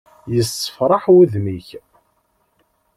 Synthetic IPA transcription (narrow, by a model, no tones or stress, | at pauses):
jəsːə̥fɾˤɑħwæðmiç